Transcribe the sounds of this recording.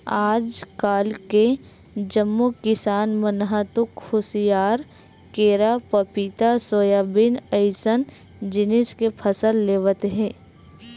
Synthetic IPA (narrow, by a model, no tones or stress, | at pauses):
aːd͡ʒkaːlke | d͡ʒəmːukɪsaːnmənɦat̪ʊkhʊsijaːɾ | keːɾapəpɪt̪asoːjabɪnəɪsən | d͡ʒɪnɪskepʰəsəlːeːʋət̪ɦɛ̃ː